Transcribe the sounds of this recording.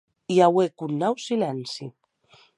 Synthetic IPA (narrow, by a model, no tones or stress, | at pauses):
iawekunːawsilansi